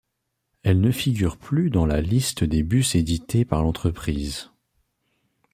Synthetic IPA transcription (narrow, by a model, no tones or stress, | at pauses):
ɛlnəfiɡʲyʁplyd̪ɑ̃lalist̪əd̪ebysed̪it̪epaʁlɑ̃t̪χəpχiːz